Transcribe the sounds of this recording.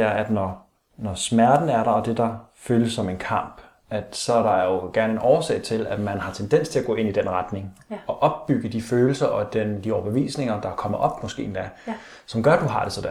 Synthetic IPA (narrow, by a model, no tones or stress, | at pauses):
æɐæd̥nɒ | nɒsmæɐd̥n̩æɐɾɑ̈ɒ̽d̥e̝d̥ɑ̈føːləsːɒ̽me̝nkʰɑ̈m̰b̥ | æd̥sɒ̽æɾ̥ɑ̈æɐjo̝ɡ̥æɐnəenʔɒːsɛ̰ɪt͡sʰe̝læ̥mænɦɑ̈t͡sʰend̥en̰st͡sʰe̝læɡ̥ɔ̰ːe̝nid̥en̰ʁɑd̥ne̝ŋɒ̽ʔɒ̽b̥ːyɡ̥əd̥iføːl̩sɐʔɒ̽d̥end̥iɒʊɐb̥eʋḭːsne̝ŋɐd̥ɑ̈kʰɒ̽m̰ɐʔɒ̽b̥mɒsɡ̥e̝̰ːend̥æ | sɒ̽mɡ̥ɶɐd̥uɦɑ̈d̥e̝sɒ̽d̥e